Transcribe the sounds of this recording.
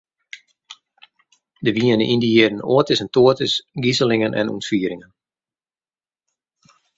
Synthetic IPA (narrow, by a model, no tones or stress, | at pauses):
dəʋiənəʔindiiədn̩oətɪsəntoətɪsɡizəlɪŋənʔɛ̰nṵntfiəɾɪŋən